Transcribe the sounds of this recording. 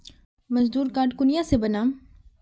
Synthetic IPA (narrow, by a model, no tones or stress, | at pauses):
mɐzd̪uːɾkaːɾʈkʊnɪjãsebɐnãːm